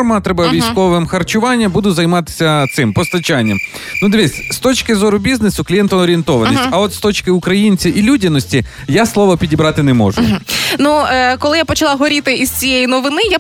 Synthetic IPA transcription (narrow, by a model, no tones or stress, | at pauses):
rmɐt̪ɾɛbɐʋʲijsʲkɔʋɪmxɐrt͡ʃʊʋɑnʲːɐbud̪ʊzɐjmɑt̪ɪ̥sʲɐt̪sɪmpɔst̪ɐt͡ʃɑnʲːɐm | nud̪ɪʋʲisʲst̪ɔt͡ʃkɪzɔɾʊbʲiznesʊklʲijɛnt̪ɔɔɾʲient̪ɔʋɐnnʲisʲtʲɐɔt̪st̪ɔt͡ʃkɪʊkɾɐjinʲt͡sʲiʔilʲudʲɐnɔsʲtʲi | jaslˠɔʋɐpʲidʲibɾɑt̪ɪnɛmɔ̰ʒʊnukɔlˠɪjapɔt͡ʃɐlˠɑɦɔɾʲit̪ɪiz̥t͡sʲijɛjinɔʋɪnɪja